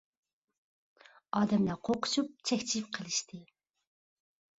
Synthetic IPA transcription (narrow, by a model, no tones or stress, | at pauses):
ɑːd̪ɛmlɑqʰoqʰʊ̥ʃup̚t͡ʃʰɛkʲt͡ʃʰip̚qʰəlˠɨʃt̪ʰɨ